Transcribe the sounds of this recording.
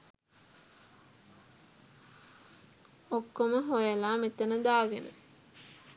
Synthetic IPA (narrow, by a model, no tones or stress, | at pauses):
okːoməɦojəlaːmet̪ənəd̪aːɡenə̰